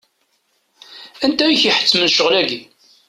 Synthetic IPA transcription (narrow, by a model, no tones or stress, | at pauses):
ænt̪æjiçiħə̥t͡sːmənʃəʁlæɡi